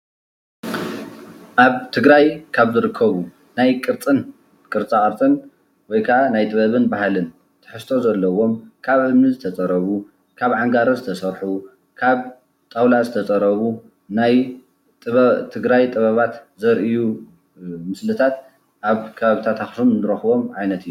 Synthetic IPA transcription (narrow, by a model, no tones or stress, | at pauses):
ʔaβt̪ʰɨɡɾajkʰaβzɨɾɨkʰːɐβu | najkʼɨɾt͡sʼɨn | kʼɨɾt͡sʼaχʼɐɾt͡sʼɨn | wɔjkʰɐʔanajt̪ʼɨβɐβɨnbahalɨn | t̪ʰɨ̥ħɨst̪ʰo̞zɐlːɐwo̞mkʰaβʕɨmnɨzɨt̪ʰɐt͡sʼɐɾɐβu | kʰaβʕaŋɡaɾɐzɨt̪ʰɐsɐɾħu | kʰaβ | t̪ʼawlazɨt̪ʰɐt͡sʼɐɾɐβu | naj | t̪ʼɨt̪ʰɨɡɾajt̪ʼɨβɐβat̪zɐɾʔiju | mɨslɨt̪ʰat̪ | ʔaβkʰɐβaβit̪ʰat̪ʰaxsumnɨɾɐxβo̞mʕajnɐt̪ʰɨjːu